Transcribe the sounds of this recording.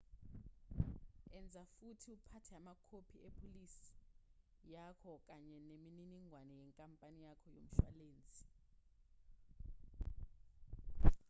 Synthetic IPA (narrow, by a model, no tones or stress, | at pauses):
ɛnd͡zʱafutʰiupʰatʰɛamakʰopʰiepʰolisi̥ | jakʰɔk̬ʼaɲɛnemininiŋʱwanɛjɛŋkʼampʼanijakʰɔjo̰m̩ʃwa̰leːnd͡zʱi̥